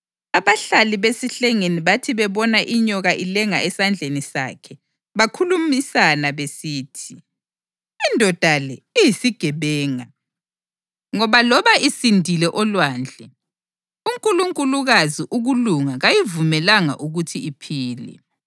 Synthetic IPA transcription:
aβaɬaliβesiɬɛŋeniβatʰiβɛβɔnaʔiɲɔɣaʔilɛŋaɛsand͡ɮʱenisa̰ːkʰɛ | βakʰulumisanaβesiːtʰiː | ndʱɔd̥ʱalɛijisiɡ̥ʱɛβɛːŋa | ŋɔβalɔβaisindʱilɛʔɔlwaːnd͡ɮʱɛ | uŋkʼuluŋkʼuluɣaziʔuɣuluŋaɣajivumɛlaŋa̰ʔuɣutʰiipʰiːlɛ̰

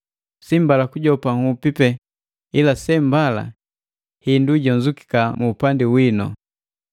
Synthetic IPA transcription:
simbalakuɟɔpaŋupipɛ | ilasɛmbala̰ | hinduɟɔnzuki̥kamuːpandiwinɔ̰

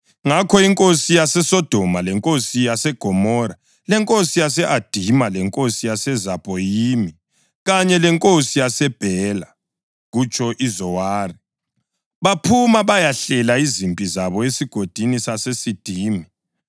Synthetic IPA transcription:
ŋakʰɔiŋkʼosijasɛsɔd̥ʱɔmalɛŋkʼosijasɛɡ̥ʱɔmɔɾa | lɛŋkʼosijasɛʔad̥ʱimalɛŋkʼosijasɛzapʼɔjimi | ɣaɲɛlɛŋkʼosijasɛb̥ʱɛla | ɣut͡ʃʰʼɔʔizɔwaːri | βapʰumaβajaɬɛlaizimpʼizaβɔesiɡ̥ʱod̥ʱinisasesid̥ʱiːmi

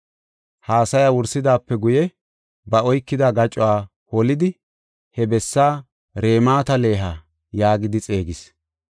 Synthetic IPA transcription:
haːsɐjaːwʊɾsɪd̪aːpːɛɡʊjɛ | bɐɔjkːɪd̪aɡɐt͡ʃʼʊwaː | hɔlɪd̪ɪ | hɛbɛsːaː | ɾe̞ːmaːt̪ɐle̞ːɦa | jaːɡɪd̪ɪt͡sʼeːɡɪs

